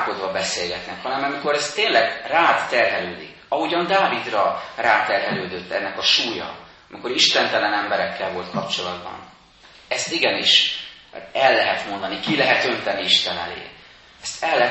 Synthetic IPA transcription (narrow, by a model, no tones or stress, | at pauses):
ko̞d̪vɒbɛseːlɡɛt̪nɛkhɒnɛmɒmiko̞ɾɛst̪ːeːnlɛɡraːt̪ːɛrɦɛløːd̪ḭkɒɦuɟɒnd̪aːvid̪rɒraːt̪ɛrɦɛløːd̪øt̪ːɛnːɛkɒʃuːjɒ̰ | ɒmiko̞ɾiʃt̪ɛnt̪ɛlɛnɛmbɛɾɛkʰːɛlvo̞lt̪kʰɒpt͡ʃo̞lɒd̪bɒ̰n | ɛst̪iɡɛniʃ | ɛlːɛɦɛt̪mo̞nd̪ɒnikilɛɦɛt̪ø̞nt̪ɛnːiiʃt̪ɛnɛlḛː | ɛst̪ʰɛlːɛ